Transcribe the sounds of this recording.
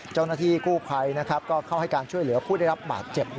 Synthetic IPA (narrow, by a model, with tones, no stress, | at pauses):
t͡ɕa˥˩wnaː˥˩t̪ʰiː˥˩kuː˥˩pʰa˧jna˦˥kʰa˦˥p̚kɔː˥˩kʰa˥˩wha˥˩jkaː˧nt͡ɕʰu˥˩jlɯ˩˦ɐpʰuː˥˩da˥˩jɾa˦˥p̚ba̰ː˨˩t̪̚t͡ɕe˨˩p̚